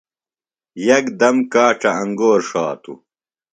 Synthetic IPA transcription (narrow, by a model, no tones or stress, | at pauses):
jɐkd̪ɐmkaːʈ͡ʂɐɐŋɡoːɾʂaːt̪ṵ